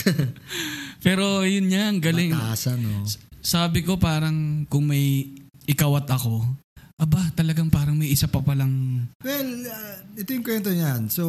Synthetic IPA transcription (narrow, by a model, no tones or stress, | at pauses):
pɛːɾo̞jʊnɲaŋɡɐlɪŋasanossaːbɪko̞paːɾɐŋkʊŋmɐj | ʔɪkɐwɐt̪ɐko̞ʔɐbat̪ɐlɐɡaŋpaːɾɐŋmɐjʔɪsapɐpɐlɐŋwɛlɐɛt̪ojʊŋkwɛnt̪oɲanso